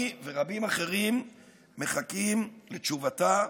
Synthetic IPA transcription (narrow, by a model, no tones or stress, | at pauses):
ve̞ʁabimaχe̞ʁimː | e̞χakimle̞t͡ʃuvata